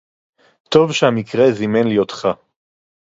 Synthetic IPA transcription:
t̪ovʃehamikʁezimenlijot̪χa

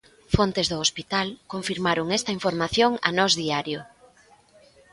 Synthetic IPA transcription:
font̪ezðʊospit̪alkoɱfiɾmaɾoŋɛst̪ɐiɱfoɾmaθjoŋɐ̰nɔzðiaɾjʊ

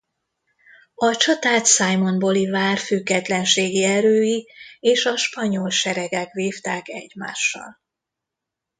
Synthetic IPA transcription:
ɒt͡ʃɒt̪aːt̪sajmo̞nbo̞livaːrfyɡːɛt̪lɛnʃeːɡiɛɾøːjieːʃɒʃpɒɲolʃɛɾɛɡɛkʋeːft̪aːkɛ̰ɟma̰ːʃːɒ̰l

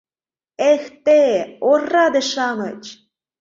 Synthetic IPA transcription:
ext̪eorːɑd̪ĕʃɑmɤ̰t͡ɕ

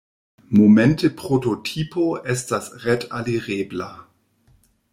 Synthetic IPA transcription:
momɛntʰəpʁototʰiːpʰoʔɛstasʁɛtaliʁeːbla

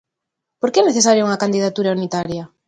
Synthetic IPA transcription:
poɾkeɛneθesaɾjouŋɐkand̪iðat̪uɾaunit̪aɾja

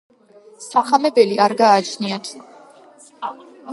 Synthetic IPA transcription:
saχamɛbɛliaɾɡaːt͡ʃʰniat̪ʰ

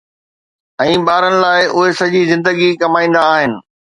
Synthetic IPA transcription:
ɛ̃ːɓaːɾənɪ̆laːɪʔʊɦesɐd͡ʑizɪ̃nd̪əɡikɐmaːĩːn̆d̪aːɦɪnɪ̆

